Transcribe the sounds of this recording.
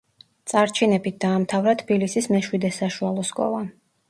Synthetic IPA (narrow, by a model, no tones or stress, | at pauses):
t̪sʼaɾt͡ʃʰinɛbit̪̚d̪̥aːmt̪ʰavɾat̪ʰbilisismɛʃwid̪ɛsaʃualˠɔskʼɔ̰lˠa